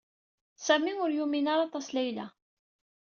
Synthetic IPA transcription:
sæmiʊɾjuminaɾɑt̪ˤɑslæjla̰

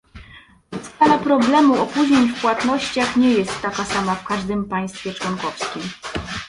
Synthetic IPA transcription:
st̪alapɾɔblɛmuɔpuʑɲeɲfpwat̪nɔɕt͡ɕaxɲɛjɛst̪ːakasamafkaʐd̪ɘmpaj̃st̪fʲjɛt͡ʂwɔŋkɔfskʲim

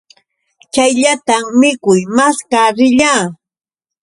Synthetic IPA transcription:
t͡ʃajʎat̪ammɪkʊjmaskaɾɪʎaː

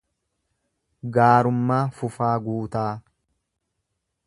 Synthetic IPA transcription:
ɡaːɾʊmːaːfʊfaːɡuːt̪aː

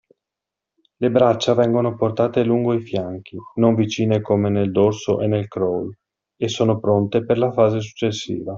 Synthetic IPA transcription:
lebɾat͡ʃːavɛŋɡonoport̪aːt̪eluŋɡoifjaŋk̟inoɱvit͡ʃiːnekomeneld̪orsoʔenːelkɾol | esːoːnopɾont̪eperlafaːzes̬u̥t͡ʃːesːḭːva

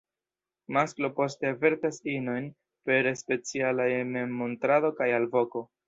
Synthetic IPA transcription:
masklo̞po̞ste̞ave̞ɾtasino̞jn | pe̞ɾespe̞t͡sialaememmontɾado̞kajalvo̞ko̞

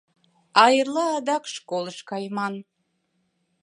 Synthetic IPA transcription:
ɑjərlˠɑːd̪ɑkʃkolˠəʃkɑjmɑn

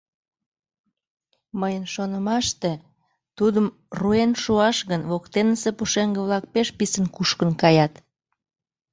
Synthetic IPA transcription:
məjənʃonəmɑʃt̪e | t̪ud̪əm | ruenʃuɑʃɣənβokt̪enəsepuʃeŋɡəβlɑk̚peʃpisənkuʃkənkɑjɑt̪

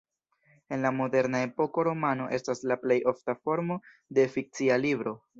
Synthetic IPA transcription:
e̞nlamo̞de̞ɾnae̞po̞ko̞ɾo̞mano̞̰ʔe̞staslaple̞jʔo̞ftafo̞ɾmo̞ | de̞fik̚t͡sialibɾo̞

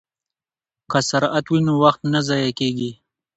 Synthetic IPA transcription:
kasaɾat̪winowaxt̪nazɑjakeɡi

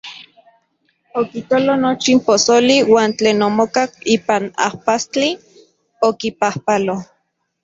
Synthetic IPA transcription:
okik̪olonot͡ʃimposoliwaːnt͡ɬeːnomokakiːpana̰hpast͡ɬi | okipahpalo

